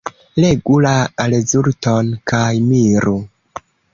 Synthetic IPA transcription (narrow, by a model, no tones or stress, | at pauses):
leɡulaːlezuɾtonkajmiɾu